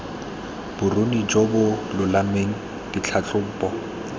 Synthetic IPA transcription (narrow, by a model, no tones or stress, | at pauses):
b̥ʊronid͡ʒɔbʊlʊlameŋ̩ | d̥it͡ɬʰat͡ɬʼʊpʼɔ